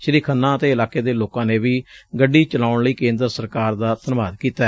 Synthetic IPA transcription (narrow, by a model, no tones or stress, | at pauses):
ʃəɾiːkʰənːãːət̪eːɪlaːkeːd̪eːloːkãːneːʋiːɡəɖːiːt͡ʃəlaːʊɳləiːkẽːnd̪ɾsəɾkaːɾd̪aːt̪ənʋaːd̪kiːt̪aɛ